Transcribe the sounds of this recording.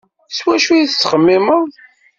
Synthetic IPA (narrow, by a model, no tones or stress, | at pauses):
swæʃujiθsːə̥χəmːiməðˤ